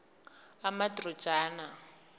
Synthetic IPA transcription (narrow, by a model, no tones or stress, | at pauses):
amatrɔ̥ʒaːna